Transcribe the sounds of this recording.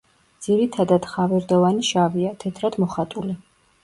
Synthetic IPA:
d̪z̥iɾit̪ʰad̪ad̪̥χavɛɾd̪ɔvaniʃaviat̪ʰɛt̪ʰɾad̪mɔχat̪ʼuli

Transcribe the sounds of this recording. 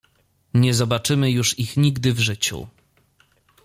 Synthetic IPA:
ɲɛzɔbat͡ʂɘmɘjuʂixɲiɡd̪ɘvʐɘt͡ɕṵ

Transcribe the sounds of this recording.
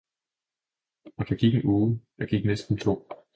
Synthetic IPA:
ɒ̽d̥ɑ̈ɡ̥iɡ̥n̩oːð̩ˠdj̥ɑ̈ɡ̥iɡ̥nesd̥n̩t͡sʰo̝̰ː

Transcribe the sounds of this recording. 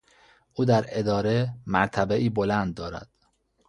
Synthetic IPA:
ʔuːd̪æɾe̞d̪ɒːɾe̞mæɾt̪ʰæbeʔiːbo̞lænd̪̚ːɒːɾæ̰d̪̥

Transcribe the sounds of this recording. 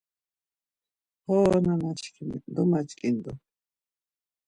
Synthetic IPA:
hoːnanat͡ʃkʰim̰d̪omat͡ʃkʼind̪o

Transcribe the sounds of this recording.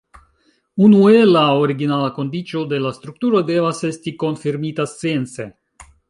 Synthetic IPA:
unue̞elaoɾiɡinalako̞ndit͡ʃo̞de̞last̪ɾuktuɾo̞de̞vase̞stiko̞nfiɾmitast͡seent͡se̞

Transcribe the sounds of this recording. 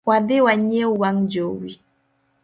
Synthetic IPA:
waðɪwaɲeuwaŋd͡ʒowi

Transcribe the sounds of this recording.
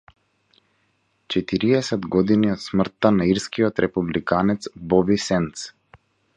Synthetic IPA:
t͡ʃɛt̪iɾiɛsɛd̪ɡɔd̪iniɔt̪smr̩t̪ːanaiɾskiɔt̪ɾʔɛpublikanɛt̪sbɔbisɛnt̪s

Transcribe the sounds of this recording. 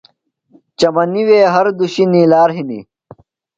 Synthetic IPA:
t͡ɕɐmɐniweːɦɐɾd̪uɕiniːlaːɾɦinḭ

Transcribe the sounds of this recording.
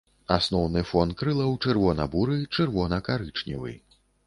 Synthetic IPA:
asnɔwnɨfɔnkɾɨlˠɐwt͡ʂɨrvɔnɐ̰buɾɨt͡ʂɨrvɔnɐkaɾɨt͡ʂnʲḭvɨ̰j

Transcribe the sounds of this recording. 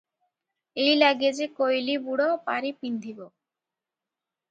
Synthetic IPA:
ejlaɡied͡ʑekojlibuɽopa̰ɾipind̪ʱibo

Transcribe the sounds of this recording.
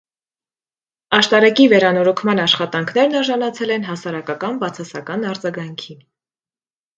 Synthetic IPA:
ɑʃt̪ɑɾɛkivɛɾɑnɔɾɔkʰmɑnɑʃχɑt̪ɑŋkʰn̪ɛɾnɑɾʒɑnɑt͡sʰɛlɛn̪ɦɑsɑɾɑkɑkɑnbɑt͡sʰɑsɑkɑnɑɾd͡zɑɡɑŋkʰin

